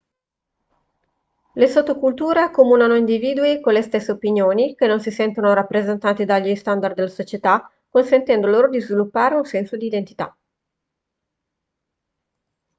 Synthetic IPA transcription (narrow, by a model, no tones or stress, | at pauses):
lesot̪ːokult̪uːɾeakomuːnanoind̪iviːd̪uikolest̪esːeopinjoːnik̟enːonsisɛnt̪onoɾapːɾezent̪aːt̪id̪aʎːist̪and̪ard̪elːasot͡ʃet̪a | konsent̪ɛnd̪oloːɾod̪izvilupːaːɾeunsɛnsod̪iːd̪ent̪it̪a̰